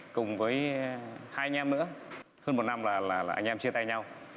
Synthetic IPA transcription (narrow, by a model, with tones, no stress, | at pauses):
kʊ˨˩ŋ͡mvəː˨˦jhaː˧ʔa˧ŋ̟ʔaː˧mnɨ̰˧˥ə | həː˧nm˨˩t̚na˧mlaː˨˩laː˨˩laː˨˩ʔa̰˧ŋ̟ʔaː˧mt͡ɕi˧ət̪aː˧jɲa˧w